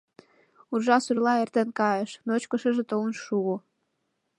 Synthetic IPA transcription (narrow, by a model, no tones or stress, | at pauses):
urʒɑsurlɑert̪enkɑjəʃnot͡ɕkə̆ʃə̆ʒĕt̪oənʃuɣo